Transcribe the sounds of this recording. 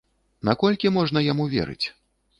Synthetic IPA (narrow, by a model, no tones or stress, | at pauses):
nakɔlʲkʲimɔʐnɐjamuvʲɛ̰ɾɨ̰t͡sʲ